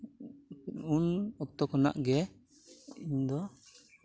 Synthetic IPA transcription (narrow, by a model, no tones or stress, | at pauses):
unɔk̚t̪ɔkɔna̰ʔɡɛ | iɲd̪ɔ